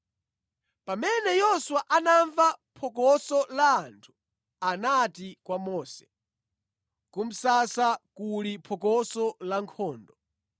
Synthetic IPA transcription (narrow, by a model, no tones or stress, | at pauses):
pamɛnɛjɔswaʔanaɱvapʰɔkɔsɔlaːntʰu̥ | anatikwamɔːsɛ̥ | kum̩sasakulipʰɔkɔsɔlaŋkʰɔːndɔ